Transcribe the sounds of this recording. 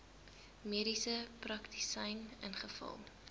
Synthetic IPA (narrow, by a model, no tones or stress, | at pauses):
miəɾisəprɐktisəjnə̰nχəfə̰lˠ